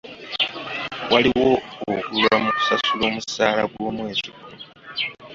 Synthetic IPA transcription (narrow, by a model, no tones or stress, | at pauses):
waliwoːɡulamuku̥sasulo̞ːmusaːlaɡwo̞ːmwe̞ːziɡunu